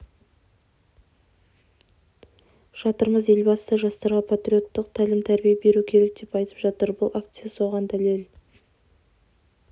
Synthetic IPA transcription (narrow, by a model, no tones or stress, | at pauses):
ʃɑt̪əɾməze̞lbɑst̪ɑʒɑst̪ɑɾʁɑpʰat̪ɾʲio̞t̪ːəqt̪ʰælɪmt̪ʰæɾbijebe̞ɾukʲʰe̞ɾe̞k̚d̪e̞pɑjt̪ə̥pʒɑt̪əɾbʊlˠak̚t̪sɨjaso̞ʁɑnd̪ælel